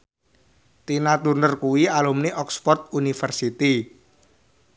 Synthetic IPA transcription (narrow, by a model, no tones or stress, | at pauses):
t̪inat̪urnərkuwialumniʔɔkspɔrt̪̚unifərsit̪i